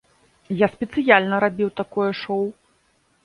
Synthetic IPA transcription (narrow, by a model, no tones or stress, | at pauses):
jaspʲɛt̪sɨjalʲnɐɾabʲiwt̪akɔjɛʂɔw